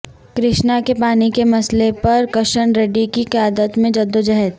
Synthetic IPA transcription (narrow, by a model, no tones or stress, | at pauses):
kɾɪʃnakepaːnikemɐslepɐɾkɐʃəɳɾeɖikiqɪjaːd̪ət̪mẽd͡ʒɐd̪od͡ʒɐɦɛt̪